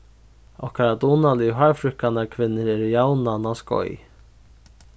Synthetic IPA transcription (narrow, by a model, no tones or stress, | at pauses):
ɔhkʰaɾad̪uːnalɪɦaɹfɾʏhkanaɾkʰvɪnːɪɾɛɾjawnanaskɔ̰j